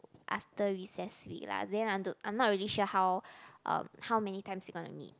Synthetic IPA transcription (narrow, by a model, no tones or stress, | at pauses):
ʔa̰ftəɹisɛswḭkla̰sdɛ̃nãjmdoʔã̰ɪ̃mnɔt̚ɹiliʃuəhawʔʌ̰̃mhawmɛnitãɪ̃msiɡɔ̃nṵmḭt̚